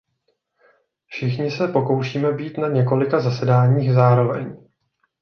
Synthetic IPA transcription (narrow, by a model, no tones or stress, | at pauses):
fʃɪxɲɪsɛpo̞ko̞wʃiːmɛbiːt̪naɲɛko̞lɪkazasɛdaːɲiːxzaːɾo̞vɛɲ